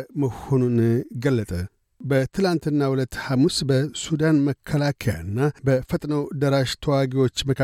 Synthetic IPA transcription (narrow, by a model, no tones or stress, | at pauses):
məhonunɡəlːət̪ʼə | bət̪ʰɨlant̪ɨnːahulət̪ːhamusbəsud̪anməkʰːəlakʰəja̰ɨnːabəfət̪ʼnəwd̪əɾaʃt̪ʰəwaɡiwo̞t͡ʃːməkʰa